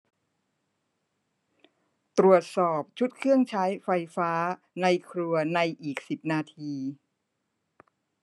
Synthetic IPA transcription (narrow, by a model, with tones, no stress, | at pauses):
t̪ɾu˨˩ət̪̚sɔː˨˩p̚t͡ɕʰu˦˥t̪̚kʰɯ˥˩əŋt͡ɕʰaː˦˥jfa˧jfaː˦˥ | na˧jkʰɾu˧ɐna˧jʔiː˨˩k̚si˨˩p̚naː˧t̪ʰiː˧